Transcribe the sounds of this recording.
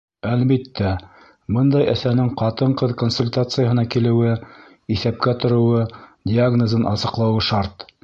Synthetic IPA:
ælbit̪ːæ | bɤnd̪ɑjæθænɘŋqɑt̪ɤɴqɤðkonsulʲt̪at̪sɨjəɦɤ̆nɑkilɘ̆wɘ | iθæp̚kæt̪ŏɾŏwɤdʲɪaɡnozɤnʔɑsɤ̆qlˠɑwɤʃɑɾt̪

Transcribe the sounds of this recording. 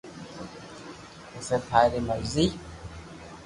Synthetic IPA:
usepaɾimazi

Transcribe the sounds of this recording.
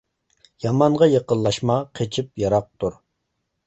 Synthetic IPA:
jɑmɑnʁɑjeqəlˠːɑʃmɑqʰet͡ʃʰip̚jɑɾɑq̚t̪ʰuɾ

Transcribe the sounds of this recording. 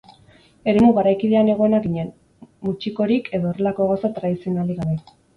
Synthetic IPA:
e̞ɾe̞muɣaɾajkiðe̞ane̞ɣ̞o̞enaɣiɲe̞n | mut͡ʃiko̞ɾikʰe̞ðo̞ːre̞lako̞ɣ̞awsat̪ɾaðisio̞naliɣaβe

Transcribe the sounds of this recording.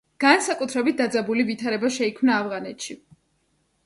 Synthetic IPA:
ɡ̥ansakʼut̪ʰɾɛbit̪̚d̪ad̪zabulivit̪ʰaɾɛbaʃɛikʰmnaːvʁanɛt̪ʰʃi

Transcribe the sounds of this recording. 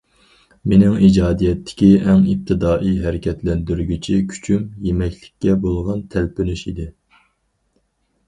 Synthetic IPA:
menɪŋid͡ʒɑːd̪ijɛt̪ʰːɪ̥kʲiɛŋip̚t̪ʰɪd̪ɑːʔiɦæɾɪkʲʰɛt̪lɛnd̪yɾɡʲyt͡ʃʰikʲʰy̥t͡ʃʰymjemɛkʲlɪkʲːɛbolˠʁɑnt̪ʰælpynyʃid̪ɪ

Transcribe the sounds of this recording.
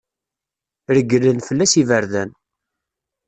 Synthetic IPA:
ɾəɡːəlːənfəlːæsivəɾðæn

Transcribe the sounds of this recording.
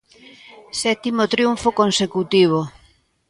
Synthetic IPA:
sɛt̪imot̪ɾjuɱfokonsekut̪iβ̞o

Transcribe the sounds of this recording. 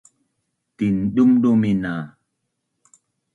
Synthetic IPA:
tinɗumɗomina

